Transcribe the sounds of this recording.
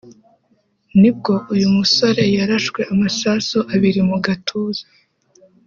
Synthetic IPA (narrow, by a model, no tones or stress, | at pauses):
nib̚ɡo̞ʔujumuso̞ɾe̞jaɾaʃkwe̞ʔamasasoʔaβiɾimuɡatʰuːza